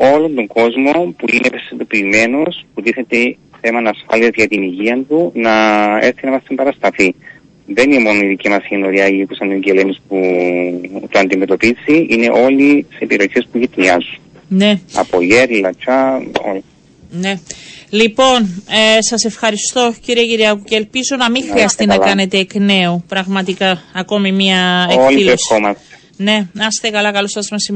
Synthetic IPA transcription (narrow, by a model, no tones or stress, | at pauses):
o̞lo̞nd̪oŋɡo̞zmo̞puinepesind̪o̞piːme̞no̞sput̪iθet̪e | θe̞mɐnɐsfɐliɐzʝɐt̪iniʝiɐnt̪unɐest̪inɐmɐst̪imbɐɾɐst̪ɐfi | ðe̞ninemo̞noiðicimɐsenoɾiɐjikusɐneɲɟelenispu | t̪uɐnd̪ime̞t̪o̞piziʔine̞ʔo̞lisepiɾo̞çe̞spuʝit̪niɐzun | ne̞ɐ̰pojeɾlɐt͡ʃɐo̰l | ne̞lipo̞nsɐse̞fxɐɾist̪o̞ciɾiɐciɾiɐkuceːlpizo̞nɐmiŋxɾiɐst̪inɐkɐne̞t̪eːkne̞upɾɐɣmɐt̪ikɐːko̞mimiɐeollesxomɐst̪e̥ | ne̞ɐst̪ekɐlɐkɐlosɐzmesi